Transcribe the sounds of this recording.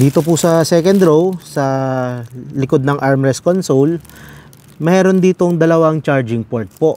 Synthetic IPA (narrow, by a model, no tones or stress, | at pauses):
d̪iːt̪op̬ʊsɐsɛːkɛnd̪ɾowsɐ | lɪkod̪nɐŋʔaɹmɾɛskonsol | mɛːɾo̞nd̪iːt̪o̞ŋd̪ɐlɐwaŋt͡ʃaɹd͡ʒɪŋpoɹt̪̚po̞ʔ